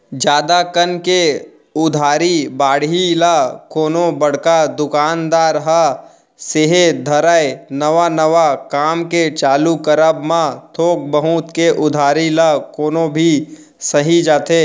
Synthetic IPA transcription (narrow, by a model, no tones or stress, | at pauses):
d͡ʒaːd̪akənke | ʊd̪ʱaːɾibaːɽ̤ilakoːnobɐɽ̤kad̪ʊkaːnd̪aːɾɦə | seɦed̪ʱəɾaenəʋanəʋakaːmket͡ʃaːlukəɾəbmãt̪ʰoːk̚bəɦut̪keʔʊd̪ʱaːɾilakoːnobʱi | səɦid͡ʒaːt̪eː